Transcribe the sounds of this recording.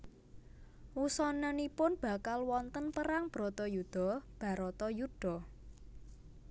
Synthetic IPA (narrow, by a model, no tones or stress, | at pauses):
wusɔnənipʊnb̥ä̤kalwɔnt̪ənpəɾaŋb̥ɾɔt̪ɔjud̪̥ɔ̤b̥ä̤ɾɔt̪ɔjuɖ̥ɔ̤